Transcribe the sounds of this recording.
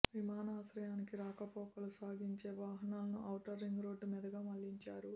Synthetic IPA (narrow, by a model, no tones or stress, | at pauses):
ʋimaːnaːʃɾɐjaːnikiɾaːkɐpɔːkɐlusaːɡiɲt͡ʃe̞ːʋaːɦɐnaːlɐnuʔɐwʈɐɾːiŋɡɾo̞ːɖːmiːd̪ɐɡaːmɐlːiɲt͡ʃaːɾu